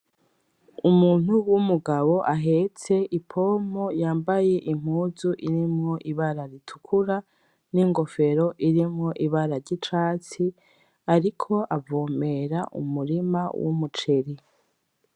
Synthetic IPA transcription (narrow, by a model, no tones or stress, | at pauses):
umuːn̥huwumuɡaβo̞ʔaɦe̞t͡se̞ʔipʰo̞mo̞jaːmbaje̞ʔim̥huːzuʔiɾimŋo̞ʔiβaɾaɾitʰu̥kʰuɾa | niŋɡo̞fe̞ɾo̞ʔiɾimŋo̞ʔiβaɾaɾɟit͡ʃaːt͡si | aɾikʰo̞ʔavoːme̞ɾaʔṵmuɾimawṵmut͡ʃeɾi